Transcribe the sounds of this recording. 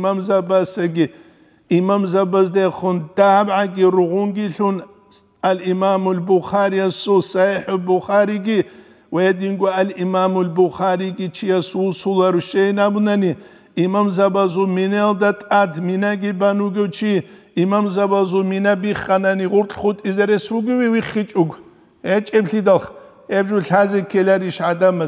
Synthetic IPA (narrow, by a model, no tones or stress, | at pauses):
mamzɐbɐsɐɡʲi | imamzɐbɐzdɐχʊnd̥abʕaɡʲirɨʁʷʊŋɡiɬun | alimamulbʊχaːɾijasusaħʊbʊχaːɾiɡʲi | weɛdiŋɡʷʼɐalimamulbʊχaɾiɡit͡ʃʰijɐsusulɐrʃejnabʊnɐni | imamzɐbɐzumineld̪ɐtʼadʰminɐɡibɐnuɡɐwt͡ʃʰi | imamzɐbɐzuminɐbiχɐnɐniʁʊɾtʼχʷʊtʼizɐɾeswuɡʷiwiwiχit͡ʃʼʊɡʷ | et͡ʃʼɛbɬid̪ɐlχ | ɛbʒuɬazɛkʰelɐɾiʃʕad̪ɐmɐ